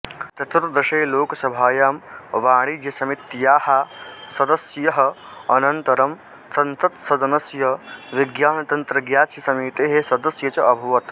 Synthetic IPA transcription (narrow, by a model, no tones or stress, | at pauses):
t̪ɐt̪ɾd̪ɐʃejloːkɐsɐbʱaːjaːmʋaːɽ̃id͡ʒjɐsɐmit̪jaːhasɐd̪ɐsjɐɦɐ̆ | ɐnɐnt̪ɐɾɐm | sɐnt̪ɐt̪sɐd̪ɐnɐsjɐʋiɡjaːnɐt̪ɐnt̪ɾɐɡjaːt͡ʃjɐsɐmiːt̪eːɦesɐd̪ɐsjɐt͡ʃɐʔɐbʱuʋɐt̪